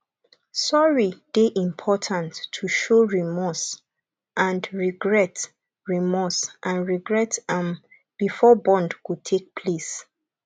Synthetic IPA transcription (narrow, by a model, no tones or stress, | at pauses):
sɔɹid̥eʔĩmpʰɔtʰãntʰːuʃoɹimɔs | ʔãndɹiɡɹɛt | ɹimɔsʔãnɹiɡɹɛtãm | b̥ifɔbɔ̃ndkud̚tʰek̚pʰles